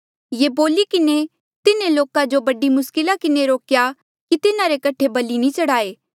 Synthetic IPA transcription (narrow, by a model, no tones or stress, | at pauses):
jeːboːlikɪne | t̪ɪneloːkãd͡ʒobɐɖimʊskɪlakɪneɾoːkja | kit̪ɪnãɾekɐʈʰebɐlinĩt͡ʃɐɽaːeː